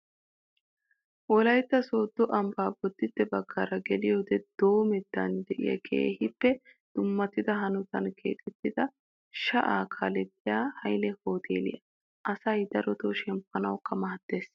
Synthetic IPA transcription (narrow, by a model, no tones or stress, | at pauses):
wɔlɐjt̪ːɐsoːd̪ːɔʔɐmbaːbɔd̪ːɪt̪ːɛbɐɡːaːɾɐɡɛlɪjoːd̪ɛd̪̥o̞ːmɛd̪ːɐ̰nd̪ɛʔɪ̰jɐ̰kʰe̞̰ːhɪpːɛ | d̪̥ʊmːɐt̪ɪd̪ɐɦɐnʊt̪ɐnkʰḛːt̪ʼɛt̪ːɪd̪ɐ | ʃɐʔaːkʰalɛt̪ːɪjaːhɐjlɛhoːt̪ʰḛːlɪ̰jɐ | ʔɐsɐjd̪ɐɾɔt̪oʃɛmpːɐnɐwkːɐmɐɦɐd̪ːeːs